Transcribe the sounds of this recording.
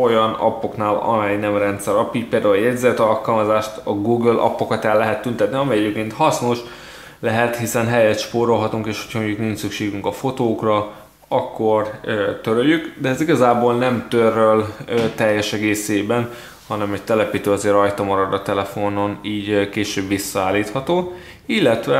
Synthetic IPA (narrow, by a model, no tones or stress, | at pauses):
o̞jɒnɒ̰pːo̞knaːlɒ̰mɛjnɛmrɛnt̪sɛɾɒpːiːc̚peːld̪aːuljɛɟzɛt̪ɒlkɒlmɒzaːʃt̪ɒɡuːɡølʔɒ̰pːokɒt̪ɛlːɛɦɛt̪ːynt̪ɛt̪niɒmɛjɛjepkeːnt̪hɒsno̞ʃ | lɛɦɛt̪hisɛnɦɛjɛt̪ʃpoːɾo̞lɦɒt̪uŋkeːʃhocʰɒmoɲɟukniɲt͡ʃsykʃeːɡyŋkɒfo̞t̪oːkrɒ | ɒkːo̞rt̪øɾøjykd̪ɛɛziɡɒzaːboːlnɛmt̪ørølːt̪ɛjːɛʃɛɡeːseːbɛn | hɒnɛmɛct̪ɛlɛpiːt̪øːɒzeːrɒjt̪ɒmɒɾɒd̪ɒt̪ɛlɛfo̞no̞niːɟkeːʃøːbʋisːɒaːlːiːt̪hɒt̪oː | ilːɛt̪ʋɛ